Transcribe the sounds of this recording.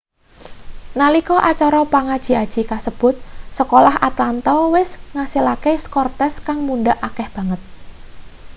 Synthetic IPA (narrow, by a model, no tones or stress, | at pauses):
nalikɔʔat͡ʃaɾɔpaŋad̥ʒ̥i̤ad̥ʒ̥i̤kasəb̥ʊt̪̚səkolahʔat̪lant̪ɔwɪsŋasilakeskɔrt̪ɛskaŋmuɳɖaʔakɛhb̥ä̤ŋət̪̚